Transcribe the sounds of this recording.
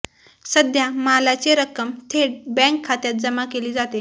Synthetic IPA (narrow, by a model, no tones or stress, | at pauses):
səd̪ʱjamalat͡seɾəkəmt̪ʰeɽbɛ̃ŋkʰːat̪jat̪̚d͡zəmakeliːd͡zat̪e